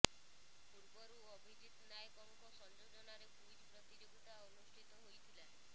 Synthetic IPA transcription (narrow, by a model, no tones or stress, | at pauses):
puɾbɔɾuɔbʱid͡ʒit̪najkɔŋkɔsɔnd͡ʒod͡ʒɔnaɾepuid͡ʒʱpɾɔt̪id͡ʒekuʈaɔnusʈʰit̪ɔɦojt̪ʰilae